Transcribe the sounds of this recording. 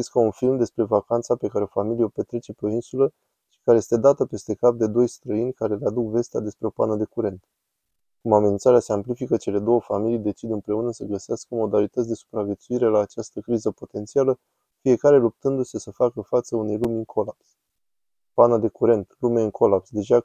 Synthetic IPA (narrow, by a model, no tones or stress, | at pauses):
iskəunfilmd̪e̞spɾe̞vakant̪sape̞kaɾe̞o̞familieo̞pe̞t̪ɾe̞t͡ʃe̞peo̞insulə | ʃi̥kaɾeje̞st̪e̞d̪at̪əpe̞st̪e̞kap̚d̪e̞d̪o̞jst̪ɾəinʲkaɾe̞lead̪ukve̞st̪ead̪e̞spɾe̞o̞pa̰nəd̪e̞kuɾe̞nt̪ | kumamenint̪saɾease̞amplifikət͡ʃe̞le̞d̪o̞wəfamilijd̪e̞t͡ʃid̪ɨnpɾe̞unəsəɡəseaskəomo̞d̪alit̪ət̪sʲd̪e̞su̥pɾavjet̪suiɾelaːt͡ʃast̪əkɾizəpo̞t̪ent̪sialə | fije̞kaɾe̞lup̚t̪ɨnd̪use̞səfakəfat̪səune̞jlumʲɨŋkʰo̞laps | panəd̪e̞kuɾe̞nt̪lumeɨŋkʰo̞lapsd̪e̞ʒa